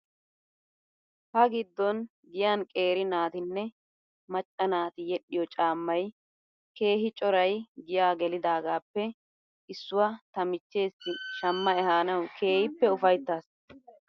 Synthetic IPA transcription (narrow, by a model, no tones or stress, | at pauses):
hɐɡɪd̪ːɔn | ɡɪjaːnkʼe̞ːɾɪnaːt̪ɪnːɛ | mɐt͡ʃʼːɐnaːt̪ɪjɛɗɪjɔt͡ʃʼaːmːɐj | ke̞ːɦɪt͡ʃʼɔɾɐjɡɪjaːɡɛlɪd̪aːɡaːpːɛ | ʔɪsːʊwɐt̪ɐmɪt͡ʃːe̞ːsːɪʃɐmːɐɛɦaːnɐwkʰe̞ːhɪpːɛʊfɐjt̪ːaːs